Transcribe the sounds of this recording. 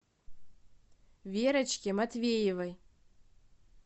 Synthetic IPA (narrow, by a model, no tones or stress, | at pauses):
vʲeɾət͡ɕkʲemat̪vʲejevə̆j